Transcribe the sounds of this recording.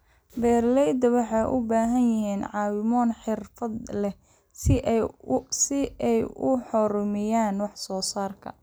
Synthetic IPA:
bɛːrlɛjd̪ɐwɑħɑjʔʊbaːɦɐnjɪɦiːnʕɑːwɪmɔːnħɪrfɐd̪lɛ | sɪʔ | sɪɛjʊħɔɾʊmɪjaːnwɑħsɔːsaːrkʰɐ̰

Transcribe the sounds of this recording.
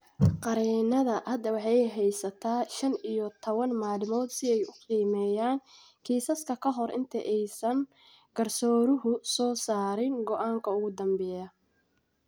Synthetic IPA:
qɑɾiːnɐðɐhɐd̪ɐwɑħɑjɦɛjsɐt̪ʰaːʃɐnijɔt̪ʰɔβɐnmaːlɪmɔːd̪sɪɛjʊqiːmɛːjaːn | kʰiːsɐskʰɐkʰɐɦɔrʔɪ̰nt̪ʰɐʔɛjsɐŋ | ɡ̥ɐrsɔːɾʊɦʊsɔːsaːɾɪŋɡɔʔaːŋkʰɐʊɣʊd̪ɐmbɛːjɐ

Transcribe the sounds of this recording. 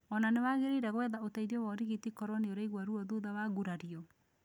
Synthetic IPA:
ɔnanewaɣeɾeiɾaɣwɛðaotaiðɔwɔɾiɣitikɔɾwɔneoɾaiɣwaɾuɔðoðawaɣuɾaɾiɔ

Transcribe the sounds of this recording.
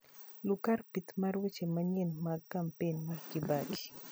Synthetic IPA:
lʊkarpit̪maɾwet͡ʃemaɲenmakːampenmarkibaki̥

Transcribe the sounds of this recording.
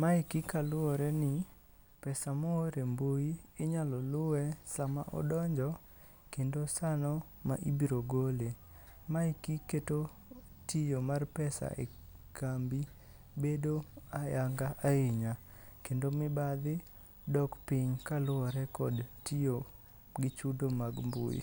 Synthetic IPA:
maɪkikalʊɔɾɛnɪ | pɛsamooɾemboiɪɲalɔlʊwɛsama̰ʔɔ̰dɔɲd͡ʒɔ | kendosanɔ | ma̰ʔibiɾoɡole | maikiketo | tijomarpɛsa̰ʔḛ | kʰambi | bedoajaŋɡaʔaɪɲa | kendomɪbad̪ɪ | dɔkpɪɲkalʊɔɾɛkɔdtijo | ɡɪt͡ʃudomaɡmbo̰ḭ

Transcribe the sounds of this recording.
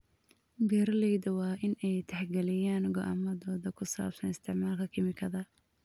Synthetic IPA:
bɛːɾɐlɛjd̪ɐwɑːʔɪnɛjt̪ʰɛħɡɛlɪjaːnɡɔ̰ʔa̰mɐðɔːðɐkʰʊsa̰ːbsɐnɪst̪ʰɪʕmaːlkʰɐkʰɪmɪkʰɐðɐ

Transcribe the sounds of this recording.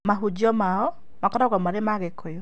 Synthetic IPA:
maɦud͡ʒɔmaɔ | makɔɾɔɣamaɾemaɣekʰojɔ

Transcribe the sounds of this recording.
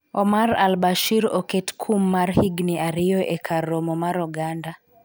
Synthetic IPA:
ɔmaɾa̰lbaʃiɾɔketkʰumːaɾhiɡniaɾijɔʔekʰarɔmɔmaɾɔɡanda

